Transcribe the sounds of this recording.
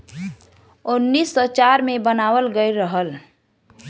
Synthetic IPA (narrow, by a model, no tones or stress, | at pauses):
ʊnːisːɔt͡ʃaɾmebənawəlɡəɪɾəɦəl